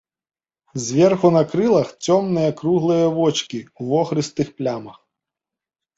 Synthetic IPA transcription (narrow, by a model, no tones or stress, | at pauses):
zʲʋʲɛrxʊnɐkɾɪlˠɐxt͡sʲɔmnɛjɐkɾuɦlˠɪjɐʋɔt͡ʃkʲiwʋɔxɾɪst̪ɪxplʲamɐx